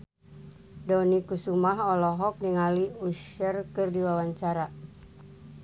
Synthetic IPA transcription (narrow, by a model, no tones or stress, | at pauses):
dɔnikusumaɦɔlɔɦɔk̚niŋaliuʃərkɨrdiwawaɲt͡ʃaɾa